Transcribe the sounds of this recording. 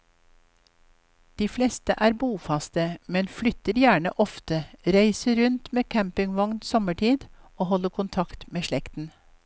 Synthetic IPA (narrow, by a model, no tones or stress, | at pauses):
d̪̥iːflɛst̪əʔæːɾbuːfɑst̪əmɛnflʏt̪əɾjæːɳə̰ʔɔft̪əɾæɪsəɾʉnt̪meːkʰæmpɪŋʋɑŋnsɔməʈʰiːd̪ | oːhɔləkʰʊnt̪ʰɑkt̪meːʃɭɛkt̪n̩